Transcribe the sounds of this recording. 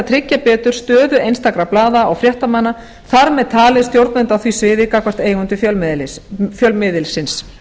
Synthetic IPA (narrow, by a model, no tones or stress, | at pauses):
t̪ʰɾɪcːapɛːt̪ʏɾ̥st̪œːðʏejnst̪akɾaplaːðaɔɣfɾjɛht̪amanːa | θaɾmɛðt̪ʰaːlɪðst̪jowɾt̪mɛnt̪awθviːsvɪːðɪkakʰvar̥t̪eːjɣʏnt̪ʏfjœllfjœlmɪðɪlsɪns